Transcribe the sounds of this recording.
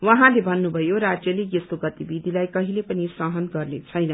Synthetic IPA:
wʌɦãlebʱʌnːubʱʌjoɾad͡zjʌlejesoɡʌt̪ibid̪ʱilajkʌɦilepʌnisʌɦʌnɡʌrnet͡sʰʌjnʌ

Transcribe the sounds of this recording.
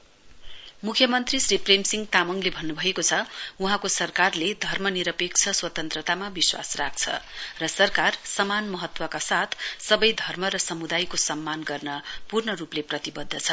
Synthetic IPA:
mukʰjʌmʌnt̪risripremsiŋɡt̪amʌŋlebʱʌnːubʱʌekot͡sʰʌuɦãkosʌrkarled̪ʱʌrmʌniɾʌpek̚t͡sʰʌswʌt̪ʌnt̪rʌt̪amabiswa̰srak̚t͡sʰʌ̰rʌsʌrkarsʌmanmʌɦʌt̪wʌkasat̪ʰsʌbʌjd̪ʱʌrmʌɾʌsʌmud̪ajkosʌmːanɡʌrnʌpurnʌrupleprʌt̪ibʌd̪ʱːʌt͡sʰʌ

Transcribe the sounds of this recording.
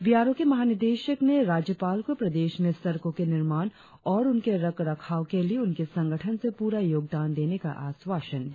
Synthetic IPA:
biɦaːɾõkemɐɦaːnɪɾd̪eːʃəkneɾaːd͡ʒjəpaːlkopɾɐd̪eːʃnesɐɾkõkenɪɾmaːn | ɔːɾʊnkeɾɐkɾɐkʰaːokelieʊnkesɐ̃ŋɡʱəʈʰənsepuːɾajoːɡ̚d̪aːnd̪eːneka̰ʔaːsʋaːʃən

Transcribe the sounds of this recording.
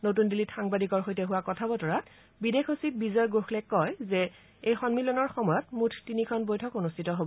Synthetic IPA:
notundilitxaŋbadikɔɹxojtɛɦʊwakɔtʰabɔtɔɹat | bidexosit̚bizɔjɡoxlɛkɔjzɛ | ejxɔnmilɔnɔɹxɔmɔjɔtmutʰtinikʰɔnbojtʰɔkonustʰitɔɦobɔ

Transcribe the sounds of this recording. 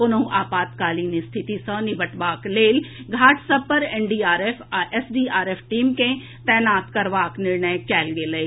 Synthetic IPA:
ʊnəɦũʔaːpaːt̪kaːliːnist̪ʰɪt̪isə̃nɪbʱəʈʋaːkleːlɡʱaːʈʰsɐb̚pəɾeːnɖiːaːɾeːfʰesɖiːaːɾeːpʰʈiːmkẽ | t̪ɛːnaːt̪kɐɾʋaːknɪɾnəjkɛːlɡeləi

